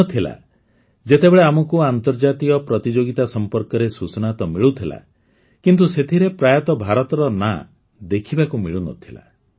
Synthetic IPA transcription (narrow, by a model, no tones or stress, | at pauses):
ɔt̪ʰila̰ | d͡ʒet̪ebeɭeamɔkuant̪ɔɾd͡ʒat̪ikɔpɾɔt̪id͡ʒoɡit̪asɔmpɔɾkɔɾesut͡ʃɔnat̪ɔmiɭut̪ʰila̰ | kint̪̬uset̪ʰiɾepɾajat̪ɔbʱaɾɔt̪ɔɾɔna̰ | d̪ekʰibakumiɭunɔ̰t̪ʰila̰